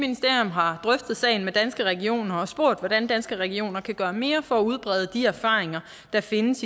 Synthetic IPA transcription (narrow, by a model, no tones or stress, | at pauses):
minisd̥e̝ɐ̰jɔ̽mɦɑ̈d̥ʁœfd̥ð̩ˠsɛ̰ɪn̩med̥ænsɡ̥əʁɛɡ̥io̝̰ːnɐɒ̽sb̥o̝ɐ̰d̥ʋɒd̥ænd̥ænsɡ̥əʁɛɡ̥io̝̰ːnɐkʰæɡ̥ɶːɐme̝ːɐfɒ̽æuð̞ˠb̥ʁɛð̞ˠəd̥iæɐfɑ̰̈ːʁeŋɐ | d̥ɑ̈fe̝nəs